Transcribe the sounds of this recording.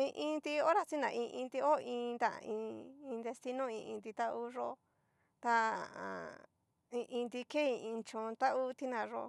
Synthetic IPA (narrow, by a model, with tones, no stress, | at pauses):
ĩ˧ʔĩ˧nd̪i˧o˦ɾa˧t͡ʃi˦nã̰˧ʔĩ˧ʔĩ˧nd̪i˧o˦˧ĩː˧nd̪a̰˦˧ĩ˧ĩ˧nd̪e˧st̪i˧nõ˦ĩ˧ʔĩ˧d̪i˧t̪a˦ʔu˦ʐo˦o˧ | t̪a̰˧˨ | ĩ˧ʔĩ˧nd̪i˧ke˦ĩ˧ĩ˧nt͡ʃõ˧t̪a˦ʔu˦t̪i˦nã˨ʐo̰˧